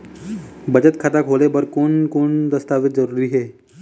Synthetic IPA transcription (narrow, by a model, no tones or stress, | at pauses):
bəd͡ʑət̪̚kʰat̪akʰolebəɾkonkoːɳd̪əst̪aʋɪt̪̚d͡zəɾuːɾiːɦe